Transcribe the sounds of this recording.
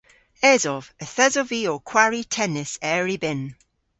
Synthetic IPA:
ɛzɔvəθɛzɔviɔkʰw̥aɹitʰɛnɪsɛːɹibɪn

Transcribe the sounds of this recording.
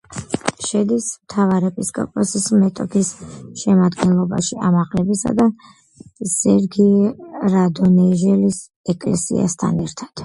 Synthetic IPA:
ʃɛd̪ismt̪ʰavaɾɛpʼiskʼɔ̰pʼɔsismɛt̪ʼɔpʰisʃɛmad̪ɡɛnlˠɔba̰ʃiamaʁlɛbisa̰d̪a | sɛɾɡiɾad̪ɔnɛʒɛlis | ɛkʼlɛsḭa̰st̪ʰa̰nɛɾt̪ʰad̪̥

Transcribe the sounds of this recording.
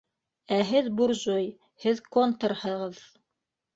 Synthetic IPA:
æɦɘðbuɾʒoj | hɘðkont̪ɤɾhɤ̆ʁɤð

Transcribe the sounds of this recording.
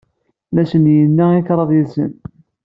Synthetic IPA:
mæʃənjənːæiθɾˤɑðˤilsə̰n

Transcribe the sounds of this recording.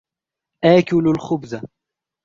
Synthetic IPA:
ʔaːkʊlalxʊbza

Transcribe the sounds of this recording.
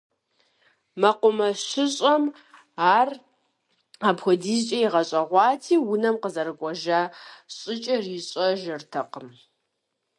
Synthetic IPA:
mɐqʷʊmɐɕɪɕʼɐm | aːr | aːbxʷɔdiːzt͡ʃʼɐjiʁɐɕʼɐʁʷɑːtʰiːwʊnɐmqəzɐɾɨkʷʼɔʒaɕʼɪt͡ʃʼɐriːɕʼɐʒɐrtʰɐqəm

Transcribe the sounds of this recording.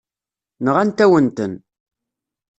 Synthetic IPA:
nəʁænt̪æwənt̪ən

